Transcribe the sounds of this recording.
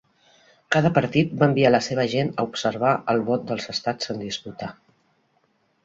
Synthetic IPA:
kaðəpəɾt̪it̪̚baəmbialəseβ̞əʒenə̰upsəɾβ̞aʔəlˠβɔt̪̚d̪əlˠzəst̪at͡sːənd̪isput̪a

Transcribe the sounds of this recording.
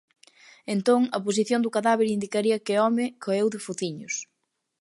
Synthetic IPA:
ent̪oŋɐpos̬iθjond̪ʊkaðaβeɾind̪ikaɾiɐkɪɔmɪkʰoewðɪfuθiɲʊs

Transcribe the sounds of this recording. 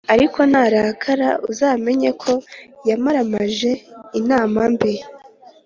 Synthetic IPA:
aɾiko̞naːɾakʰaɾa̰uzaːme̞ɲekʰo̞jamaɾamaʒe̞inaːmambeɾ

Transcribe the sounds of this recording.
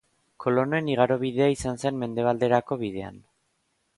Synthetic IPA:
kʰo̞lo̞no̞eniɣ̞aɾo̞β̞iðe̞aisanse̞nme̞nd̪e̞β̞ald̪e̞ɾako̞βið̞e̞a̰n

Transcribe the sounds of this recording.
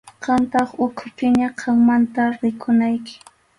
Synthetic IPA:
qɑnt̪ɑχʊkʰʊpɪɲaqʰɑŋmant̪aɾɪkʰʊnajkɪ̥

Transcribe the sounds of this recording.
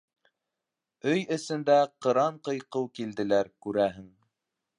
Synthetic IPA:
ɵjɵ̆sɘ̆nd̪æqɤ̆ɾɑɴqɤ̆jqɤwkild̪ɘ̆læɾkʉɾæɦɘŋ

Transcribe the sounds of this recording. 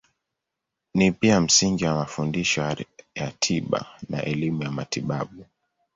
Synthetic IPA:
nipiam̩siŋɡiwamafundiʃɔjatʰiɓa̰na̰ʔɛlimujamatiɓaɓu

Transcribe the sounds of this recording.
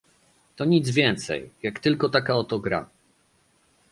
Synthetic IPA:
t̪ɔɲid̪zvʲjɛnt̪sɛ̰jjakt̪ɘlkɔt̪akaɔt̪ɔɡɾa̰

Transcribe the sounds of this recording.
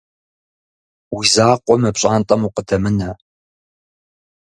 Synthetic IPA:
wizaːqʷʼɔmɨpɕʼaːnt̪ʼɐmuqədʰɐmɨnɐ

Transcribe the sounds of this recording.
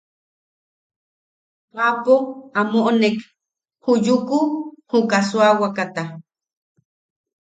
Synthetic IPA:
qapoamoʔnek | hujukuhukaswawakat̪a

